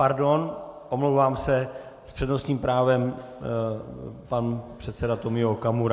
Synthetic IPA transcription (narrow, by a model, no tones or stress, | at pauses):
paɾdonʔomlowvaːmsɛspr̥ɛdno̞sɲiːmpɾaːvɛm | panpr̝̥ɛt̪sɛdat̪o̞mɪokamuɾa